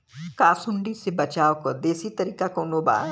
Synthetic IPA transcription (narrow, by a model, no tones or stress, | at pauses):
kaːsʊɳɖisebɐt͡ʃaːokɐd̪eːsit̪ɐɾiːkakoːnoba̰ː